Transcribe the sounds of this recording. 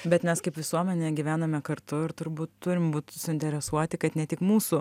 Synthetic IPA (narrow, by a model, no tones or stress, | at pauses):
bʲɛt̪mʲɛskɐɪpʋʲɪsuɔmʲɛnʲeːɡʲiʋʲæːnɐmʲɛkɐɾt̪ʊɪɾt̪ʊɾbuːt̪t̪ʊɾʲɪmbuːt̪ʲsʊɪnʲt̪ʲɛɾʲɛsuɔt̪ʲɪkɐt̪nʲɛt̪ʲɪkmuːsu